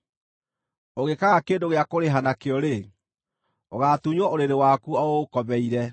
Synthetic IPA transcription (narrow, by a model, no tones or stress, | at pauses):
oɣekaɣakeːndoɣeakoɾeɦanakeɔɾe | oɣatuɲɔoɾeɾewakuɔoːkɔβɛiɾɛ